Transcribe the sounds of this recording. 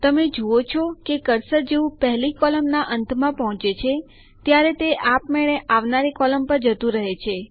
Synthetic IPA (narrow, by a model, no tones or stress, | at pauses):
t̪əmed͡ʒoot͡ʃʰɔkekəɾsəɾd͡ʒeʋũpəɦlikɔləmnaʔənt̪ʰmãpɔɦɔ̃t͡ʃet͡ʃʰe | t̪jaɾet̪eʔapmeɭeʔaʋnaɾekɔləmpəɾd͡ʒət̪ũɾəɦet͡ʃʰe